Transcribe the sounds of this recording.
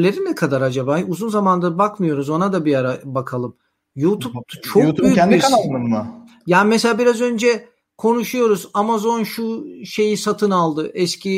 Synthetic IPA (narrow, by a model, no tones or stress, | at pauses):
lʲeɾind̪ɛkʰad̪aɾad͡ʒabaːuzunzamand̪abakmɯjo̞ɾuzo̞nad̪abijaɾabakʰalˠɯm | juːt̪ʰupt̪ʰt͡ʃʰokːbbyjyb̪inamɯmʊ | jaːnimɛselʲaːbiɾazø̞nd͡ʒɛ | kʰo̞nuʃujo̞ɾuzamazo̞nʃuʃe̞jisat̪ʰɯnalˠd̪ɯʔɛscʰi